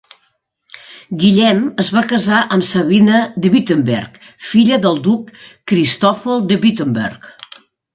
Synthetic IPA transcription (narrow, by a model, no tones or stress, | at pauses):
ɡiʎɛməzβakəzaʔəmsəβinəðəβit̪əmbɛ̰rk | fiʎəðəlˠd̪ukːɾist̪ɔfəlˠd̪əβit̪əmbɛ̰rk